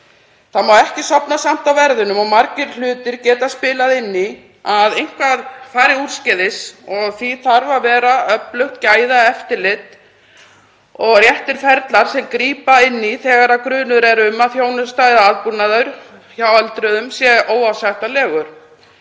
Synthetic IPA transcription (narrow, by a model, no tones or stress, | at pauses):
θamaːwɛhcɪsɔpnasam̥t̪awvɛɾðʏnʏmɔɣmaɾcɪɾ̥lʏːt̪ɪɾcɛːt̪aspɪːlaðɪnːi | aðejŋ̥kvaðfaːɾɪuɾ̥scɛðɪsɔɣθiθaɾvavɛːɾaœplœht̪caːjðaɛft̪ɪɾlɪt̪ | ɔɣrjɛht̪ɪɾ̥fɛɾt̪laɾ̥sɛmkɾiːpaɪnːiθɛːɣaɾakɾʏːnʏɾɛɾʏmːaðθjoːwnʏst̪aːjðaaðpunaðœɥɾ̥çjawalt̪ɾʏðʏmsjɛʔoːwawsajht̪alɛːɣʏɾ̥